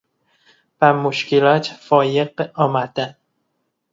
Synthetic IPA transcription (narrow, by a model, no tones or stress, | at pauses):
b̥æmoʃkʰelɒt̪ʰfɒːjeqɒːmæd̪̥æn